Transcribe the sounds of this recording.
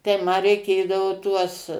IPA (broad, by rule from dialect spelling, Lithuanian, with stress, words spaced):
tɐɪ ˈmɐ rʲɛɪˈkʲeːdɐʋoː ˈtuɔs